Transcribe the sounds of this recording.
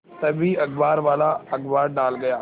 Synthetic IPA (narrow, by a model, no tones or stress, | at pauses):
sɐbʱiɐɡbaːɾʋaːlaɐɡbaːɾɖaːlɡɐjaː